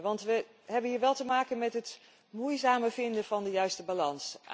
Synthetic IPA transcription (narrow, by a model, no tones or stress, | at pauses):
ʋɑntʋə | ɦɛbənɦiːɹʋɛlˠtəmaːkənmɛtɦət | mujzaːməvɪndəvɑndəjœɥstəbalɑnsʔa̰